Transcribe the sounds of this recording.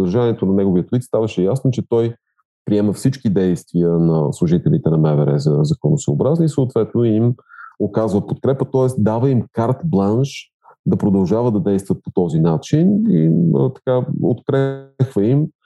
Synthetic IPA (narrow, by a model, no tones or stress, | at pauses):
d̪əɾʒaniɛt̪onɐnɛɡoviət̪lit̪st̪avɐʃɛjasnot͡ʃɛt̪ɔj | pɾiɛmɛfsit͡ʃkid̪ɛjst̪viənɐslˠʊʒit̪ɛlʲit̪ɛnɐmɛvɛɾɛ̰zɐzɐkonosooːbɾazniisoːt̪vɛt̪noimokazvəpot̪̚kɾɛpət̪ɔɛsd̪avəimkaɾt̪blˠanʃ | d̪ɐpɾod̪ɐlˠʒavəd̪ɐd̪ɛjst̪vət̪̚po̥t̪ɔzinat͡ʃiniət̪ɐ̥kao̰t̪kɾɛkvəim